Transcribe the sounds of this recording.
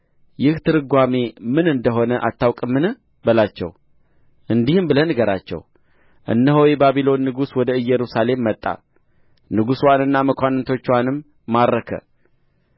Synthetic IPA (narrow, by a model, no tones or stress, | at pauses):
jɪht̪ʰɨɾɨɡʷame̞mɨnɨnd̪əɦo̞nəʔa̰t̪ʰːawkʼɨmːɨnɨ | bəlat͡ʃːɛ̰w | ʔɨnd̪ihɨmbɨlənɨɡəɾa̰t͡ʃːɛ̰w | ʔɨ̰nːəɦojɛbaβilo̞nːɨɡuswɔd̪əɨjːɛɾusale̞mːət̪ʼːa̰ | nɨɡuswanɨnːaməkʰʷanɨnt̪ʰo̞t͡ʃːwanɨmː | aɾːəkʰə̰